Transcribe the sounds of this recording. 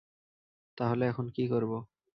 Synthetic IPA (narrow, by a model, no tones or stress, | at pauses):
t̪aɦoleɛkʰonkikoɾbo